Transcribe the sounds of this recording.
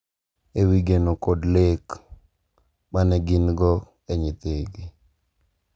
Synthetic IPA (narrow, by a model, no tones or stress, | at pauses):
ewiɡenokodlek | manɛɡɪnɡɔ | eɲit̪eɡi